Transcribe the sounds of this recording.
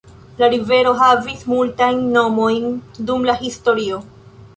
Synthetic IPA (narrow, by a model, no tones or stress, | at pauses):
laɾive̞ɾo̞ɦavismultajnːo̞mo̞jndumlahisto̞ɾio̞